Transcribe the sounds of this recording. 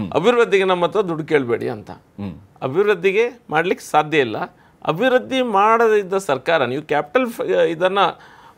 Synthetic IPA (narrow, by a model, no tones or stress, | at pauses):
ɐ̰bʱiɾɾud̪ʱːiɡe̞nɐmːɐt̪ːɾɐd̪uɖke̞ːɭbe̞ːɽḭɐ̰nt̪ɐ̰ | ɐbʱiʋɾud̪ʱːiɡe̞mʔaːɽɐlikːe̥saːd̪ʱjɐilːɐ̰ | ɐ̰bʱiʋɾud̪ʱːimaːɽɐd̪id̪ːɐsɐɾkaːɾɐniːʋukaːpi̥ʈɐlid̪ɐnːɐ